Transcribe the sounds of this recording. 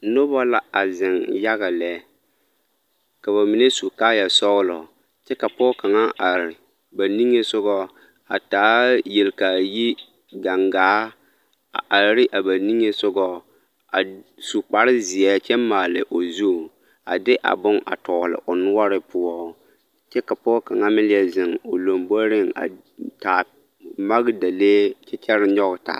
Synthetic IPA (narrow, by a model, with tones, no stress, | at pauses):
no˦ba˦la˦a˨zɪ˨ŋja˦ɣa˨lɛ˨˦ | ka˨βa˨mi˨ne˦su˨kaː˦ja˨sɔ˦ɣlɔ̰˨ | t͡ʃɛ˦ka˨pɔː˦ka˨ŋa˦ʔa˨ɾɪ˨ | ba˨ni˦ŋe˦sʊ˦ɡɔ˦ | a̰˨taː˨˦je˨lka˨ji˦ | ɡa˨ŋɡaː˨˦ | a̰˨ʔa˨˦ɾɪ˦ʔa˨ba˨ni˦ŋe˦sʊ˦ɡɔ˦ | a˨su˨k͡pa˨ɾɪ˦zɪ˨ɛ˦t͡ʃɛ˦maː˨lɪ˨ʔo˨zu˦˨ | a˨dɪ˦ʔa̰˨bʊ˦ŋa̰˨tɔː˨lɪ̰˨ʔo˨nʊ˦ɔ˦ɾɪ˦pʊ˦ɔ˦ | t͡ʃɛ˦ka˨pʊ˦ɔ˦ka˨ŋa˦mɪ˦lɪ˦ɛ˦zɪ˨ŋo˨lo˨mbo˦ɾɪ˦ŋa̰˨ | ta˨ | ma˦ɣda˨leː˦t͡ʃɛ˦t͡ʃɛ˦ɾɪ˦ɲɔ˦ɣta̰˨